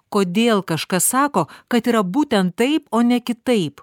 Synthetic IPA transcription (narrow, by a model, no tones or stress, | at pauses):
koːd̪ʲeːlˠkɐʃkɐssɑːkoːkɐt̪iːɾɐbuːt̪ʲɛnt̪tːɐɪpoːnʲɛkʲɪt̪ɐɪp